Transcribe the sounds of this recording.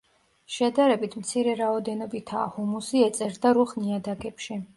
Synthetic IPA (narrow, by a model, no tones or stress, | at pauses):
ʃɛd̪aɾɛbit̪ʰmt̪sʰiɾɛɾaɔd̪ɛnɔbit̪ʰa̰ːhumusiɛt̪sʼɛɾd̪aɾuχniad̪aɡɛpʃi